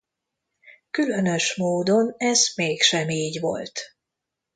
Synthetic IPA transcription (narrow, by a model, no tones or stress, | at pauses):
kylø̞nø̞ʃmoːd̪o̞nɛzmeːkʃɛmiːɟʋo̞̰lt̪